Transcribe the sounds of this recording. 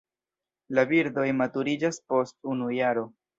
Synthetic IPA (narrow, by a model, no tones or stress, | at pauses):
labiɾdo̞jmatuɾid͡ʒaspo̞stunujaɾo̞